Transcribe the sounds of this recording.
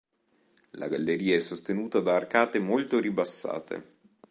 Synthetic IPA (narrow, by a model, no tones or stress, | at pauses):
la̰ɡalːeɾiːaɛsːost̪enuːt̪ad̪aːrkaːt̪emolt̪oɾibasːa̰ːt̪ʰḛ